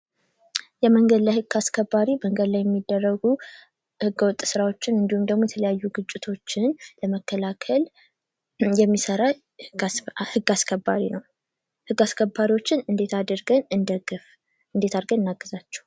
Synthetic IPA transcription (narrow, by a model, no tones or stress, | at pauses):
jɛməŋɡəd̪lajhɨɡ̥ːaskʰəbːaɾiməŋɡəd̪lajɛmːid̪ːərːəɡu | hɨɡːəwɔt̪ʼsɨɾawo̞t͡ʃːɪnɨnd̪ihumd̪əɡmojɛt̪ʰələjajːuɡɨt͡ʃʼːɪt̪ʰo̞t͡ʃːɪnləməkːəlakʰəl | jɛmːisəɾa | hɨɡːaskʰəbːaɾinəw | hɨɡːaskʰəbːaɾiwo̞t͡ʃːɪnɨnd̪e̞t̪ʰad̪əɾɡənɨnd̪əɡf | ɨnd̪e̞t̪ʰaɾɡənɨnːaɡːəzat͡ʃːɛ̥hw